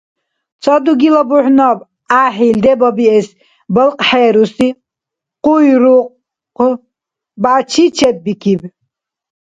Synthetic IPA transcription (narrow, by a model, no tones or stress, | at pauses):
t͡sʰɔd̪uɡilɔbuħnɔb | aːħild̪ɛbɔbiɛs | bɔlqʼħɛːɾusi | qujɾuq | bat͡ʃʰit͡ʃʰɛb̚ːikʰib